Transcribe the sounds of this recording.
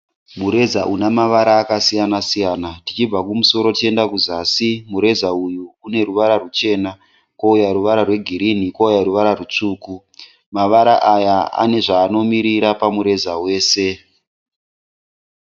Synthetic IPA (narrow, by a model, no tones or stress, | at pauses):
muɾe̞zaʔunamaʋaɾaːkasijanasijaːnatit͡ʃib͡vakumuso̞ɾo̞tie̞ndakuzasimuɾe̞zaujuune̞ɾuʋaɾarut͡ʃe̞ːna | koujaɾuʋaɾarwe̞ɡʱiɾinikoujaɾuʋaɾarut͡ʂuːku | maʋaɾaʔajaa̰ne̞ʐaːno̞miɾiɾapamuɾe̞zawe̞ːse̞